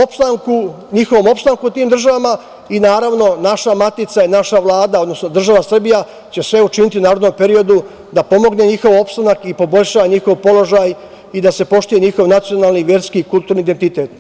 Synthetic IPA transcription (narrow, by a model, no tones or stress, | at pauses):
opst̪aŋku | ɲixo̞ʋo̞mo̞pst̪aŋkut̪iːmd̪ɾr̩ʒaʋama | inaːɾaʋno̞naʃamat̪it̪sainaʃaʋlˠaːd̪ao̞d̪no̞sno̞d̪r̩ʒaʋasr̩bija | t͡ɕe̞sʋe̞ut͡ʃinit̪iunaːɾod̪nompe̞ɾio̞d̪u | d̪apo̞mo̞ɡne̞ɲixo̞ʋo̞pst̪anakipo̞bo̞lʲʃaʋaɲixo̞ʋpo̞lo̞ʒaːj | id̪ase̞po̞ʃt̪uje̞ɲixo̞ʋnat̪sio̞naːlˠniʋje̞ɾskiːkulˠt̪uːɾniːd̪ent̪it̪e̞t̪